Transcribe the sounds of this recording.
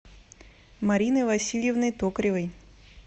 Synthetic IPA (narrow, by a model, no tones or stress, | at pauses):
mɐɾʲinɨjvɐsʲilʲjɪvnəjt̪okɾʲɪvəj